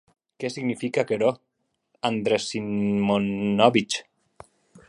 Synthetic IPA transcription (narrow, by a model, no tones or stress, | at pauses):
kɛsiɣnifikakeɾo | and̪ɾesimonɔβit͡ʃ